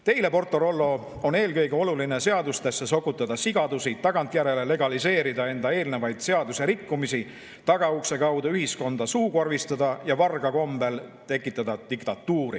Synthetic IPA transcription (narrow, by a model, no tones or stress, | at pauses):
t̪e̞jle̞po̞rt̪ˑːo̞ɾo̞lːo̞ | o̞ne̞ːlkɤ̞jɡe̞o̞luline̞se̞ɑd̪ust̪esːe̞so̞kːˑut̪ːˑɑd̪̥ɑsiɡ̥ɑd̪̥usit̪ɑɡ̥ɑnt̪ˑjæɾe̞le̞le̞ɡ̥ɑlise̞ːɾid̪ɑe̞nd̪ɑe̞ːlne̞vɑjd̪̥se̞ɑd̪useɾikːumisi | t̪ɑɡ̥ɑukse̞kɑwd̪ɑyɦisko̞nd̪̥ɑsuːkorvist̪ɑd̪ɑjɑvɑrɡ̥ɑko̞mb̥e̞lt̪e̞kːˑit̪ːˑɑd̪̥ɑd̪̥ikt̪ɑt̪ːuːɾḭ